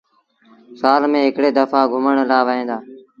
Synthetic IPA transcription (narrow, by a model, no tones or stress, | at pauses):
saːlmẽːɦɪkɽeːd̪əfaːɡʱʊməɳlaːʋəːɦẽːd̪aː